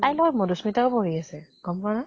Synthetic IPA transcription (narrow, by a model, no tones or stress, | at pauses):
tajlɔmodusmitakɔpoɹiasɛɡ̥ɔmpana